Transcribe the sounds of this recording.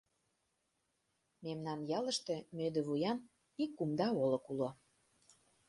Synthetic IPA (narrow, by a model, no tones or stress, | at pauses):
memnɑnjɑlə̆ʃt̪ĕmød̪ə̆βujɑn | ikːumd̪ɑolɤ̆kulo